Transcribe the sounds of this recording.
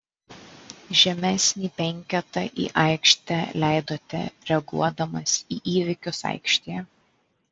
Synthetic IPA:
ʒʲɛmʲɛsʲnʲiːpʲɛŋʲkʲɛt̪ɐʔḭːʔɐɪkʃʲt̪ʲɛlʲæˑɪd̪oːt̪ʲɛ̰ɾʲɛɐɡṵɔd̪ɐmɐsiːʔiːʋʲɪkʲʊsɐ̰ɪkʃʲt̪ʲejɛ

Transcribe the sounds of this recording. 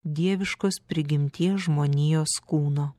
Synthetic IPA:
d̪ʲiɛʋʲɪʃkoːspʲɾʲɪɡʲɪmʲt̪ʲiɛʒmoːnʲiːjoːskuːnoː

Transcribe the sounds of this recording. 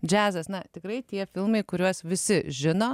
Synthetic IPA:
d͡ʒʲæːzɐsnɐt̪ʲɪkrɐɪt̪ʲiɛfʲɪlˠmɐɪkʊɾʲuɔsʋʲɪsʲɪʒʲɪnoː

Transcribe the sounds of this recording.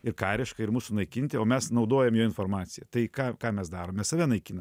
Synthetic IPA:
ɪrkɑːɾʲɪʃkɐɪrmuːsʊnɐɪkʲɪnʲt̪ʲɪoːmʲɛsnɐʊd̪oːjɛmjoːɪnfoːrmɑːt͡s̪ʲɪjɛt̪ɐɪkɑːkɑːmʲɛsd̪ɑːɾoːmmʲɛssɐʋʲɛnɐɪkʲiːnɐm

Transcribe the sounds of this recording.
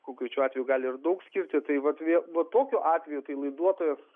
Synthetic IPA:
koːŋkɾʲɛt͡ʃʲuːɑːt̪ʲʋʲɛjuːɡɑːlʲɪɪrd̪ɐʊksʲkʲɪɾʲt̪ʲɪt̪ɐɪʋɐt̪ʋʲiɛlˠʋɐt̪oːkʲoʔɑːt̪ʲʋʲɛjut̪ɐɪlˠɐɪd̪uɔt̪oːjɛs

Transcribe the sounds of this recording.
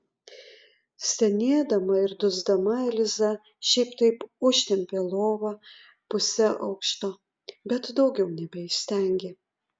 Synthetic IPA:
sʲɛnʲeɛd̪ɐmɐɪɾd̪ʊzd̪ɐmɐɛlʲɪzɐ | ʃʲɛɪpt̪ɐɪpʊʃʲt̪ʲɛmʲpʲeːlˠoːʋɐ | pʊsʲɛʔɐʊkʃt̪oː | bʲɛt̪d̪ɒʊɡʲɛʊnʲɛbʲɛɪsʲt̪ʲɛˑŋʲɡʲeː

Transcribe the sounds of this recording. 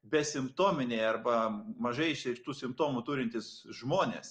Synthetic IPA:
bʲɛsʲɪmpt̪oːmʲɪnʲeɪɐrbɐmɐʒɐɪɪʃʲɛɪkt̪uːsʲɪmpt̪oːmut̪uːɾʲɪnʲt̪ʲɪsʒmoːnʲḛːs

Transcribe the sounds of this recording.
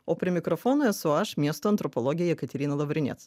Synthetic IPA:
opʲɾʲɪmʲɪkɾɔfɔnʊɛsʊaʃmʲiɛst̪ʊɐnt̪ɾɔpɔlˠɔɡʲɪjɛjɛkɐt̪ʲɛɾʲinɐlˠɐʋɾʲɪnʲɛ̰t̪s

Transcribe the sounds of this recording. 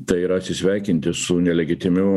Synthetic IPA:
t̪ɐɪiːɾɐɐt̪ʲsʲɪsʲʋʲæˑɪkʲɪnʲt̪ʲɪsʊnʲɛlʲɛɡʲɪt̪ʲɪmʲɪ

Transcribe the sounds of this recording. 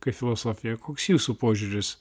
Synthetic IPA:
kɐɪfʲɪlˠɔsɔːfʲɪjɛkoːksjuːsupoːʒʲuːɾʲɪs

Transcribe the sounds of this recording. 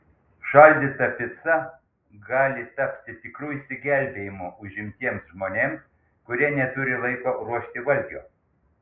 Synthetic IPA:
ʃɑlʲd̪ʲɪt̪ɐpʲɪt̪sɐ | ɡɑːlʲɪt̪ɐpʲt̪ʲɪt̪ʲɪkɾuːɪsʲt̪ʲɪɡʲæˑlʲbʲeːjɪmʊʊʒʲɪmʲt̪ʲiɛmsʒmoːnʲeːms | kʊɾʲiɛnʲɛt̪ʊɾʲɪlˠɐɪkoɾuɔʃʲt̪ʲɪʋɐlʲɡʲo̰ː

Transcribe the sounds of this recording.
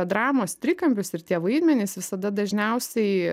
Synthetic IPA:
d̪ɾɑːmoːst̪ʲɾʲɪkɐmʲpʲʊsɪɾt̪ʲiɛʋɐɪd̪ʲmʲɛnʲɪsʋʲɪsɐd̪ɐd̪ɐʒʲnʲɛʊsʲɛɪ

